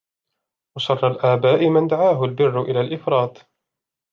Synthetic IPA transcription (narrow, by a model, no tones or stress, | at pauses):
wɑsˤɑrˤːɑlʔaːbaːʔɪmɪnd̪aʕaːɦʊlbɪrːʊʔɪlaːlʔɪfɾˤɑːt̪